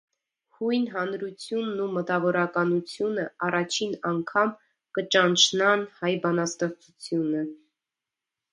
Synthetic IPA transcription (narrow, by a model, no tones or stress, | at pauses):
hujnɦɑnɾut͡sʰjunːumət̪ɑvɔɾɑkɑnut͡sʰjunəɑrɑt͡ʃʰinɑŋkʰɑm | kət͡ʃɑnt͡ʃʰnɑnhɑjbɑnɑst̪ɛχt͡sʰut͡sʰjunə